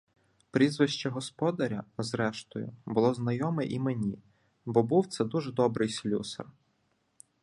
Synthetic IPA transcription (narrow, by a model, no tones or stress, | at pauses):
pɾʲizʋɪʃt͡ʃɐɦɔspɔd̪ɐɾʲɐ̰zɾɛʃt̪ɔjʊ̰bʊlˠɔznɐjɔmɛʔimenʲi | bɔbuwt̪sɛd̪uʒɛd̪ɔbɾɪjsʲlʲusɐ̰r